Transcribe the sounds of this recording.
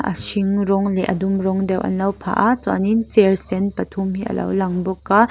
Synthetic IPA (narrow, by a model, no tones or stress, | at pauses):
ʔɐ̰siŋrɔŋlɛʔɐ̰dumrɔŋd̪ɛwʔɐ̰nlɐwpʰa̰ːʔat͡swa̰nint͡sɛrsɛnpɐt̪ʰumɦiʔɐ̰lɐ̰wlɐŋbɔkːa